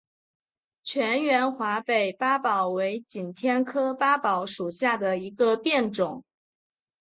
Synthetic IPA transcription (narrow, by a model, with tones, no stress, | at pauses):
t͡ɕʰɥɛ˧˥nɥɛ˧˥nxwa˧˥pe˨˩ɪpa˥pɑ˨˩ʊwe˧˥ɪt͡ɕi˨˩nt̪ʰjɛ˥nkʰɤ˥pa˥pɑ˨˥ʊʂu˨˩ɕja˥˩d̪ə˩i˧˥ɡə˧pjɛ˥˩nʈ͡ʂʊ˨˩˦ŋ